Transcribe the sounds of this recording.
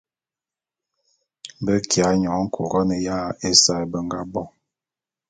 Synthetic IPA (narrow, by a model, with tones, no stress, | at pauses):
bə˦kʰja˨˦ɲɔ˨˦ŋ̩˦kʰu˨ɡɔ˦nə˨ja˦˨e˦sa˦˨jbə˦ŋ˦ɡa˦bɔ˦˨